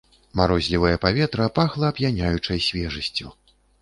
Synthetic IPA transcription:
maɾɔzʲlʲivɐjɐpavʲɛt̪ɾɐpaxlˠɐːpjanʲajut͡ʂɐjsʲvʲɛʐɐsʲt͡sʲu

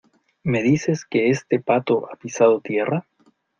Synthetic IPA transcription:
me̞ðise̞ske̞est̪e̞pat̪o̞ʔapisað̞o̞t̪je̞rʔa

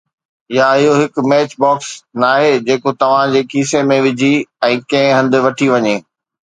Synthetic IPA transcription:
ɪjaɪɦoɦɪk̆mɛːt͡ɕbɔːksnaːɦed͡ʑeːkot̪ɐʋ̤ãd͡ʑeːkiːsemẽʋɪd͡ʑʱiɛ̃ːkɐ̃ɦɪ̃ɦɐ̃nd̪ɪ̆ʋɐʈʰiʋɐɲeː

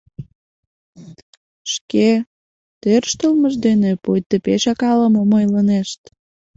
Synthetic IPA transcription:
ʃke | t̪ørʃt̪əlməʒd̪enepujt̪ːepeʃɑkɑləmomojləneʃt̪

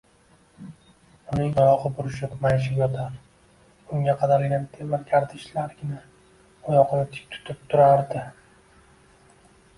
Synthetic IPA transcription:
ʊnɪŋajɒqɨbʊɾɪʃɪpmajʃ̬ɪjɒt̪ʰaɾ | ʊŋɡʲaqʰɑd̪aɾɡʲant̪ʰevaɾɡʲaɾd̪ɪʃlaɾɡʲɪna | ɒjɒqɨnɪt̪ʰɪ̥k̚ʲt̪ʰʊ̥t̪ʰɪp̚t̪ʰʊɾaɾd̪ɪ

